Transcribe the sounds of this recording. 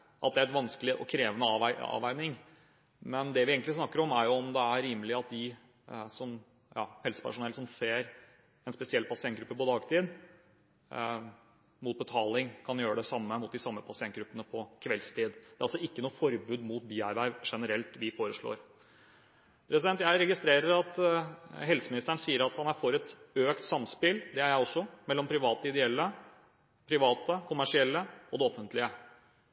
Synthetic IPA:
ʔɑt̪̚d̪ɛæɾɛt̪ʋɑnskəlɪʔɔ̰kʰɾeːʋənəɑːʋæɪɑ̰ːʋæɪnɪŋ | mɛnd̪ɛʋɪeːɡən̩t̪ɪsnɑkːəɾɔmæɾjʊɔmd̪ɛæɾiːməlɪɑt̪̚d̪ɪ | sɔm | jɑːhɛlsə̥pʰæ̰ʂʊnɛləsɔmseːɾ | ɛnspɛsɪɛlːpʰɑsɪɛnt̪ɡɾʉpːəpɔd̪ɑːɡt̪ʰiːd̪ | muːt̪̚bət̪ʰɑːlɪŋkʰɑnjøːɾəɖ̪ɛsɑmːəmʊt̪̚d̪ɪsɑmːəpʰɑsɪɛnt̪ɡɾʉpːənəpʰɔkʰʋɛlst̪ʰiːd̪d̪ɛæɾɑlsɔɪkːənuːəfɔɾbʉːd̪mut̪̚biːæɾʋæɪʋʂɛnəɾɛlt̪ʋɪfoːɾəʂɭo̰ːɾ | pʰɾɛsɪd̪ɛnt̪jæɪɾɛɡɪst̪ɾeːɾəɾɑt̪ | ɦɛlsəmɪnɪst̪əɳ̩siːəɾɑt̪hɑnæɾfɔɾɛt̪øːkt̪sɑmspɪld̪ɛæjæɪɔsːɔmɛlːɔmpʰɾɪʋɑːt̪əɪd̪ɛɛlːə | pʰɾɪʋɑːt̪əkʰʊmæʂɪɛlːəɔd̪ɛɔfənt̪lɪə

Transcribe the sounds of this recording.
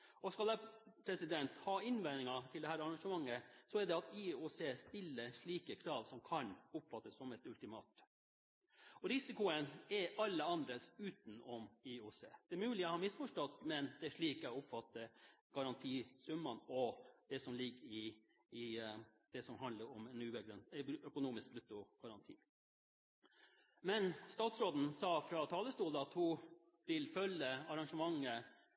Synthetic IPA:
ɔskɑlɛpʰɾɛsɪd̪ɛnt̪hɑːɪnʋɛnɪŋɑt̪ʰɪld̪ɛhæːɾɑɾɑŋʂəmɑŋːəsɔɛɖɛɑt̪iːuseːst̪ɪlːəʂɭiːkəkʰɾɑːʋsɔmkʰɑnʊpfɑt̪ːəsːɔmɛt̪ʉlt̪ɪmɑ̰ːt̪ | ɔɾɪsɪkʊənɛʔɑlːəɑnd̪ɾəsʉːt̪n̩ɔmiuːsḛːd̪̥ɛɛmʉːlɪɔhɑːmɪsfɔʂʈɔt̪ːmɛnd̪ɛæʂɭiːkɛʊpfɑt̪ːəɡ̥ɑɾɑnt̪ʰiːsʉmːɑnɔd̪̥ɛsɔmlɪɡːəɾɪː | d̪̥ɛsɔmɦɑnd̪ləɾɔmɛnʉːbəɡɾɛnœkʊnuːmɪsk̚blʉt̪ːʊɡ̥ɑɾɑnt̪ʰḭː | mɛnst̪ɑːt̪sɾoːd̪n̩sɑːfɾɑt̪ʰɑːləst̪uːd̪əɑt̪hʊ | ʋɪlfœlːəɑɾɑŋʂəmɑŋːə

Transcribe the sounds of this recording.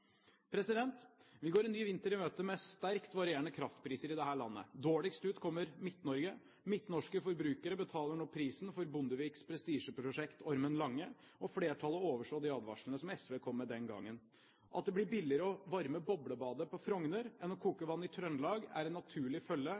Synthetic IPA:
pʰɾɛsɪd̪ɛnt̪ʋɪɡoːɾɛnːyːʋɪnt̪əɾɪmøːt̪əmɛst̪æɾkt̪ʋɑɾɪeːɳəkʰɾɑft̪pʰɾiːsəɾɪd̪ɛɦæːɭɑ̰nːə̰d̪oːɭɪkst̪ʉːt̪kʰɔmːəɾmɪt̪nɔɾɡə | mɪt̪nɔʂkəfɔɾbɾʉːkəɾəbət̪ʰɑːləɳɔpʰɾiːsnfɔɾbʊnd̪əʋiːkspʰɾɛst̪iːʂəpʰɾʊʂɛkt̪ʰɔɾmənlɑŋːə | ɔfɽeːʈʰɑlːəoːʋəʂɭoːd̪ɪɑːd̪ʋɑ̰ʂlnəsɔmɛsʋeːkʰɔmːəd̪ɛnɡɑ̰ŋːən | ʔɑ̰t̪̚d̪ɛblɪɾbɪlːɪəɾəɔʋɑɾməbɔbɽəbɑːd̪əpɔfɾɔŋnəɾɛnːɔkʰuːkəʋɑnːɪt̪ʰɾœnlɑːɡæ̰ɾɛnːɑt̪ʰʉːɭɪfœlːə

